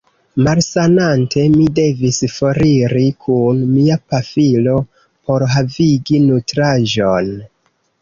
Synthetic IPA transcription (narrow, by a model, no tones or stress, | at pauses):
malsanantʰe̞mide̞visfo̞ɾiɾikʰunmiapafilo̞ | po̞ɾɦaviɡinutɾaʒo̞n